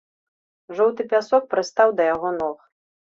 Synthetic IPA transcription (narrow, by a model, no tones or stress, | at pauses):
ʐɔwt̪ɨpʲasɔk̚pɾɨst̪awd̪ɐjaɣɔnɔx